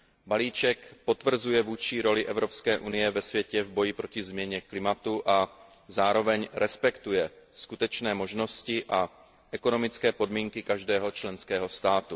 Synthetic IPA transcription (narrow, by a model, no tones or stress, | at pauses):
baliːt͡ʃɛkpo̞t̪vr̩zujɛvuːt͡ʃiːɾo̞lɪʔɛvɾo̞pskɛːʔunɪjɛvɛsvjɛcɛvbojɪpɾocɪzmɲɛɲɛklɪmat̪uʔa | zaːɾo̞vɛɲɾɛspɛkt̪ujɛskut̪ɛt͡ʃnɛːmoʒno̞scɪʔa | ʔɛko̞no̞mɪt͡skɛːpo̞dmiːŋkɪkaʒdɛːɦo̞t͡ʃlɛnskɛːɦo̞st̪aːt̪u